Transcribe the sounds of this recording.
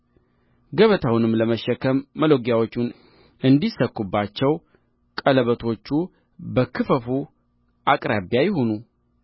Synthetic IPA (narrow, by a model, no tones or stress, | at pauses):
ɡəβət̪ʰawunɨmləməʃːɛkʰəmːəloɡjawo̞t͡ʃːun | ʔɨnd̪isəkːubːat͡ʃːɛw | kʼələβət̪ʰo̞t͡ʃːu | bəkʰɨfəfu | ʔakʼɾaβjajɪho̞nu